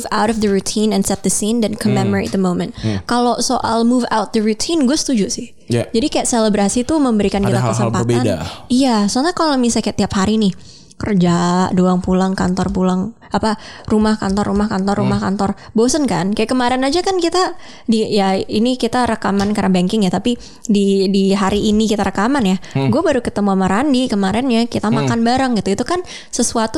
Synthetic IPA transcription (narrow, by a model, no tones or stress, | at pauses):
vawɾɔfd̪əɾut̪ʰinɛnsɛt̪̚d̪əsindɛnkʰɔmɛmɔɾḛt̪̚d̪əmomɛ̃nt̪kalosoʔalmuva̰wt̪̚d̪əɾut̪ʰinɡuasə̥t̪ud͡ʒusɪh | jd͡ʒadikajaʔseləbɾasit̪uməmbəɾikankit̪akəsəpatb̪adaijasəəakalomisajkajaʔt̪iaphaɾinɪh | kərd͡ʒaʔdoaŋpulaŋkant̪ɔrpulaŋ | aparumahka̰nt̪ɔrːumahkant̪ɔrːumahkant̪ɔr | bosənka̰nkajaʔkəmaɾɛnad͡ʒakankit̪a | dijainikit̪aɾəkamankaɾabaŋkɪŋjat̪api | didiɦaɾiʔːnikit̪aɾəkamanjaɡuabaɾukət̪əmuamaɾandikəmaɾɛnjakit̪amakkanbaɾəŋɡit̪uit̪ukan | səsuat̪u